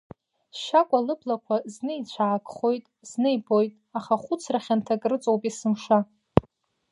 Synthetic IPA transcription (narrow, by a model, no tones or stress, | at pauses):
ʃakʷʼalɨblakʷʰaznɨit͡ɕʷʰaːkʼχo̞jtʼz̥nɨjbo̞jtʼaχaχʷʊt͡sʰraχʲantʰakʼrɨt͡sʼowpʼisɨmʂa